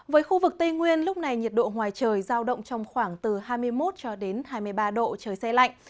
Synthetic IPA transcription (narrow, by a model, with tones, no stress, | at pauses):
vəː˨˦jxu˧vɨ˨˩k̚t̪ə˧jŋwi˧ənlʊ˦˥k͡p̚na˨˩jɲi˨˩t̚ɗo̰˧˨ŋwaː˨˩jt͡ɕəː˨˩jzaː˧wɗə̰˧˨wŋ͡mt͡ɕɔ˧wŋ͡mxwaː˧˩ŋt̪ɨ˨˩ɦaː˧jmɨ˧əjmo˦˥t̚t͡ɕɔ˧ɗe˨˦nhaː˧jmɨ˧əjɓaː˧ɗo̰˧˨t͡ɕəː˨˩jsɛ˧la̰˧˨ŋ